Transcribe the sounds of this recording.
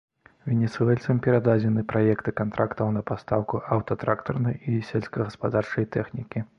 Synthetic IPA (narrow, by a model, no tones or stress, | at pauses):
vʲɛnʲɛt̪sɨɛlʲtsɐmpʲɛɾad̪ad͡zʲɛnɨpɾajɛkt̪ɨkant̪ɾʔakt̪ɐwnɐpast̪awkuʔawt̪ɐt̪ɾakt̪ɔrnɐjisʲɛlʲsʲkɐɣɐspad̪art͡ʂɐjt̪ɛxnʲikʲi